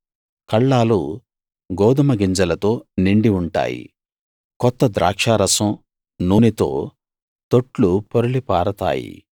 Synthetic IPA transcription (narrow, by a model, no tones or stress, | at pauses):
kɐɭːaːlu | ɡɔːd̪ɐmɐɡiɲd͡ʒɐlɐt̪o̞ːniɳɖiuɳʈa̰ːjḭ | kɔt̪ːɐd̪ɾa̰ːkʂaːɾɐsɐm | nuːnit̪o̞̰ː | t̪oʈlupoɾulipaːɾɐt̪a̰ːjḭ